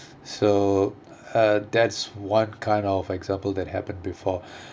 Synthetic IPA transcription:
so | ʌd̪ɛtswãnkʰãɪ̃ndɔvɛɡzãmpəlˠd̪ɛt̚hɛpə̃nbifɔ

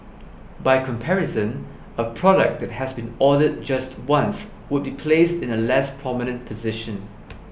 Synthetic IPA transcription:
baɪkʰɔ̃mpʰɛɹɪsə̃n | əpʰɹ̥ɔɾək̚d̪ɛt̚hɛsbĩnɔdəd̚d͡ʒastwãns | wʊd̚bipʰlestɪ̃nəlɛspʰɹ̥ɔmɪnə̃npʰəzɪʃə̃n

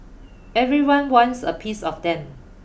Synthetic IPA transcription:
ɛvɹiwãnwɔ̃nsə̰pʰisɔfdɛ̃m

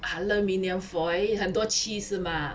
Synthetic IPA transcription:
haləminjɛnfɔjhənt̪wɔt͡ɕʰis̩ma

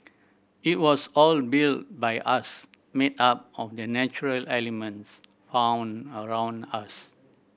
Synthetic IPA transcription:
it̚wɔsɔlbilt̚bajʔas | metap̚ɔfdənɛt͡ʃuɹəlɛlimə̃nts | fãw̃nəɹãw̃nas

